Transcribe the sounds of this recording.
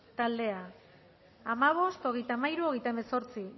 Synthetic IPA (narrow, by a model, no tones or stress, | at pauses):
t̪ald̪e̞aː | maβ̞o̞st̪o̞ɣe̞jt̪amaiɾuo̞ɣe̞jt̪aemeso̞ɾt͡si